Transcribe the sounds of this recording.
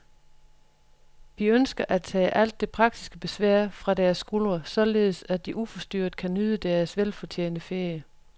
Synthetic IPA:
ʋiønsɡ̥ɐʔæt͡sʰɛ̰ːʔæl̰d̥ːe̝pʰʁɑ̈ɡ̥̚d̥isɡ̥əb̥e̝sʋæɐ̰fʁɑ̈dæɐsːɡ̥ulʁɐsɒ̽le̝ːð̞ˠsæd̥iʔufɒsd̥yɐ̰d̥̚kʰænyðˠəd̥æɐsʋelfɒ̽t͡ɕʰḛːnd̥əfeɐjə

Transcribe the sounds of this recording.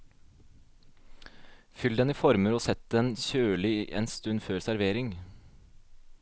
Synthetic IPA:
fʏld̪ɛniːfɔɾməɾoːsɛt̪ɛːnçøːlɪʔḛːnst̪ʉnføːɾsæɾʋeːɾɪŋ

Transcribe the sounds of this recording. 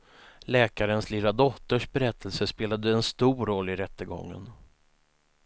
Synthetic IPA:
lɛːkaɾənslɪlad̪ɔt̪ːəʂbɛɾɛt̪ʰːəlsəspeːlad̪əɛnst̪uːɾɔlːɪɾɛt̪ːəɡɔ̰ŋːə̰n

